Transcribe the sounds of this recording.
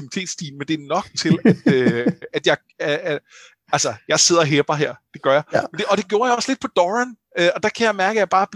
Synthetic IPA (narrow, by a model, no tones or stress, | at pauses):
imit͡sʰe̝̰ːd̥sd̥ḭːn̩mend̥e̝ɐnɒ̽ɡ̥̚t͡sʰe̝læd̥øæd̥jɑ̈ɪ | ælsɐjɑ̈ɪse̝ð̰ˠɐɦeːb̥ɐɦeɐ̰d̥e̝ɡ̥ɶɐjɑ̈mend̥e̝ɒ̽d̥e̝ɡ̥jo̝ːɐjɑɒ̽sle̝d̥̚pʰɒ̽d̥ɒʁæn | øɒ̽d̥ɑ̈kʰæjɑ̈ɪmæɐɡ̥əæjɑ̈b̥ɑ̈ːb̥